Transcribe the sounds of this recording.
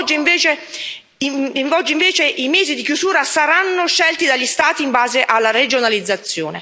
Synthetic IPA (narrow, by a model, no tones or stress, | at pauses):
d͡ʒːiiɱveːt͡ʃe | ɱvɔd͡ʒːiɱveːt͡ʃeʔimɛːzid̪ikjuzuːɾasaɾanːoʃɛlt̪id̪aʎːist̪aːt̪iːmbaːzeʔalːaɾed͡ʒonalid̪zːat̪sːjoːne